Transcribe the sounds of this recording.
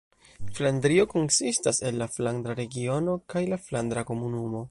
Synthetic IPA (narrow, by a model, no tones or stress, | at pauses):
fland̪ɾio̞ko̞nsistase̞lːafland̪ɾaɾe̞ɡio̞no̞kajlafland̪ɾako̞munumo̞